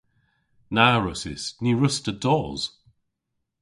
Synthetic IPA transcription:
naːɹəsɪ̰sniɹʊstədɔːz̥

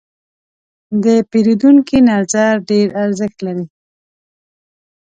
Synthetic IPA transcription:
d̪əpeɾid̪uŋkinaɾzaɾɖeɾaɾzəxt̪laɾi

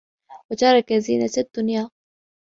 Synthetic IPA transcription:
wat̪ɑɾˤɑkaziːnat̪ad̪̥ːʊnjaː

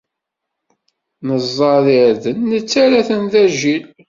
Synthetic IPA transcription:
nəzˤːɑðiʕðənːət͡sːæɾæθənθæʒil

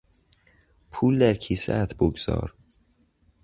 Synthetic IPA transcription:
pʰuːld̪æɾcʰiːsæ̰t̪ʰboɡz̥ɒ̰ːɾ

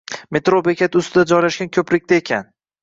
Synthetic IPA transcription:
me̞t̪ɾobekʲat̪ʰɪʊst̪ʰɪd̪ad͡ʒɒjlaʃɡʲankʲʰɵpɾɪk̚ʲt̪aekʲʰan

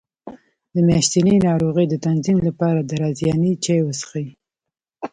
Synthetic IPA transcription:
d̪əmjɑʃt̪inenɑɾoɣəjd̪ət̪anzimlapɑɾad̪əɾɑzjɑnit͡ʃajwəsə̥xai

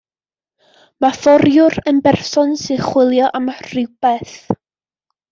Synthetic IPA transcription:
mafɔɾjʊrənbɛrsɔnsɪχwɪlˠjɔʔamarɪwpɛθ

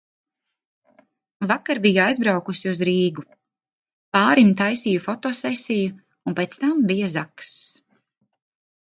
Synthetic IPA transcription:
vakaɾbijajzbɾawkusiuzɾiːɡu | paːɾimt̪ajsijufɔt̪ɔːsɛsʲiju | unpet̪st̪ambijazaks

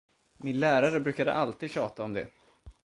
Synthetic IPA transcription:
mɪnlæːɾaɾəbɾʉ̟ːkad̪ə̰ʔalt̪iːd̪ɕɑːt̪aɔmd̪ɛ̰

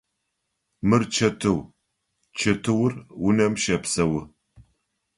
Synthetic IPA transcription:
mɨrt͡ʃʰɐtʰɨw | t͡ʃʰɐtʰɨwʊrwʊnɐmʃɐpsɐwʊ

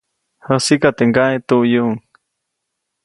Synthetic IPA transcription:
hosikat̪eŋɡaet̪uʔjuŋ

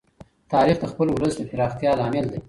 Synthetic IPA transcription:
t̪ɑɾixd̪əxpəlwləsd̪əfɪɾɑxt̪jɑlɑmɪld̪e

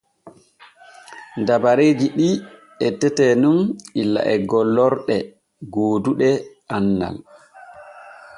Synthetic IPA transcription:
ndabaɾeːd͡ʒiɗi | ɛtɛtɛnumilːa̰ʔɛɡɔlːɔɾɗɛ | ɡoːduɗɛ | anːa̰l

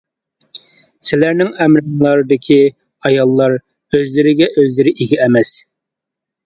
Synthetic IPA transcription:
sɪlæɾnɪŋæmɾɨŋlˠɑɾɨd̪ɪkʲʰi | ɑjɑlˠːɑɾ | øzlɪɾɪɡʲɛʔøzlɪɾɪʔiɡʲɛɛmɛs

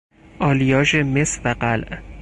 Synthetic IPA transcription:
ʔɒːlijɒːʃemesvæɢælʔ

